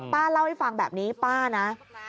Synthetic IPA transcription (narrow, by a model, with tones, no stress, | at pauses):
paː˥˩la˥˩wha˥˩jfa˧ŋbɛː˨˩p̚niː˦˥paː˥˩na˦˥